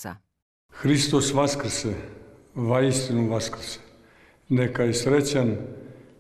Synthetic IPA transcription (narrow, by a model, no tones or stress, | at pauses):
a̰ | xɾist̪osʋaskɾ̩se | ʋaist̪inuʋaskɾ̩se̥ | nekajesɾet͡ɕan